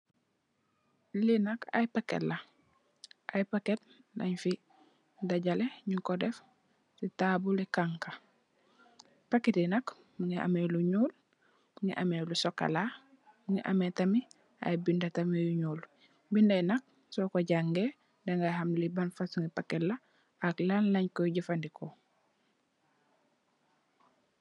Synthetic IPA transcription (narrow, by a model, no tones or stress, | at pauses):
linɐka̰jpakḛla | ʔajpaket̚ | nʔaɲfi | daɟaleɲukodɛf | sitabulikaŋka | paketinɐk | muŋia̰meluɲuːl | uŋḭʔameːlusoka̰la | muŋḭʔa̰metami | a̰jbindatamijuɲuːl | bindajnak̚ | sokoɟaŋɡe | deŋɡahamlibanfasuŋipaketla | aklanlaɲkoɟifandiko